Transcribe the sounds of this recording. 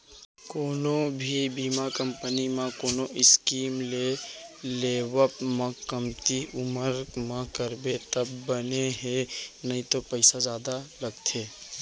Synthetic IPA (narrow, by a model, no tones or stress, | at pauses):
koːnõbʱibiːmakə̃mpənimãkoːnõʔɪskiːmleleːwəpmãkəmt̪iʊməɾmãkəɾbet̪ɐbːəneɦenɐɦĩt̪opəɪsazjaːd̪alɐɡt̪ʰeː